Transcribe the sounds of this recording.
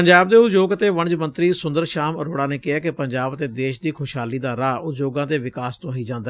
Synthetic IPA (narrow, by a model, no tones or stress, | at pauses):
pəɲd͡ʒaːbd̪eːʊd͡ʒoːɡət̪eːʋəɳd͡ʒmənt̪ɾiːsʊnd̪əɾʃaːməɾoːɽaːneːkɪɛːkɪpəɲd͡ʒaːbət̪eːd̪eːʃd̪iːkʰʊʃɦaːliːd̪aːɾaːʊd͡ʒoːɡãːd̪eːʋɪkaːst̪õːɦiːd͡ʒãːnd̪aɛ